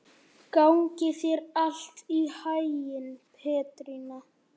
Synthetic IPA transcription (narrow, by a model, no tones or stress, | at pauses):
kawŋcɪθjɛɾal̥t̪ihajjɪnpʰɛːt̪ɾina